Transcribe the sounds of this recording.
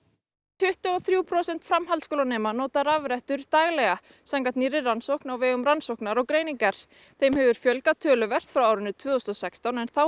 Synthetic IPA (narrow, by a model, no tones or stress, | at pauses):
t̪ʰʏht̪ʏɔθɾjuːpʰɾɔːsɛnt̪fɾamɦalt̪skowlanɛːmanɔːt̪aɾavɾɛht̪ʏɾt̪aːjɣlɛɣa | saŋkat̪nirɪransowhknawvɛːɣʏmɾansowknaɾawkɾeːjniŋkaɾ̥ | θejmɦɛvʏɾ̥fjœlkat̪ʰœːlʏvɛr̥t̪fɾawaːwɾʏnːʏt̪ʰvœːðʏst̪ɔsɛkst̪awnɛnθaw